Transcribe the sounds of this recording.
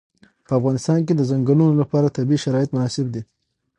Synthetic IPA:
pəafɣɑnɪst̪ɑnk̬ed̪əzaŋɡalunolapɑɾat̪abiʃaɾɑɪt̪mʊnɑsɪb̚d̪i

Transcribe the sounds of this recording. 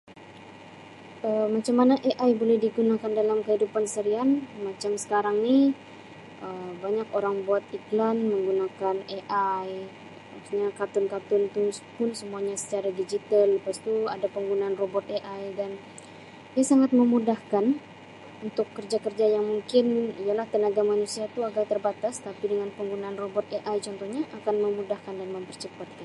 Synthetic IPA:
əmːat͡ʃamːanaʔeʔajbolɛhdiɡunakandalamkəɦidupansəɾianmat͡ʃamsə̥kaɾaŋni | ʔəmbaɲakoɾaŋbuat̪̚iklanməŋɡunakaneʔaj | pausɲakat̪ʊnkat̪ʊnt̪upʊnsəmuaɲasə̥t͡ʃaɾadid͡ʒit̪alːəpast̪uadapəŋɡunaːnrobɔt̪̚eʔajdan | diasaŋat̪̚məmudahkan | unt̪ʊkːərd͡ʒakərd͡ʒajaŋmuŋkɪnijalaht̪ənaɡamanusiat̪uaɡat̪ərbat̪ast̪apidəŋanpəŋɡunaːnrobɔt̪eʔajt͡ʃɔnt̪ɔhɲaʔakanməmudahkandanməmpərt͡ʃəpat̪̚kan

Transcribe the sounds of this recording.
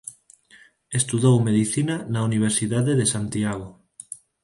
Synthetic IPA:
est̪uðowmeðiθinanauniβ̞eɾsiðaðeðesant̪iaɣo

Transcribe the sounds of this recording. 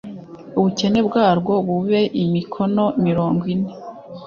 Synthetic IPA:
uβuce̞ne̞bɡaːɾɡo̞βuβe̞ʔimikʰo̞no̞miɾo̞ːŋɡwine̞

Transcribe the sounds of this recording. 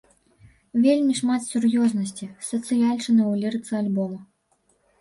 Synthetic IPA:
vʲelʲmʲiʂmat̪sʲurjɔznɐsʲt͡sʲisɐt̪sɨjalʲt͡ʂɨnɨwlʲiɾɨt̪sɐalʲbɔmɐ

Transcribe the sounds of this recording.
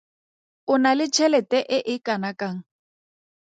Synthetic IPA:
ʊnalɪt͡ʃʰɛlɛtʼɛʔɪʔɪkʼanakaŋ̩

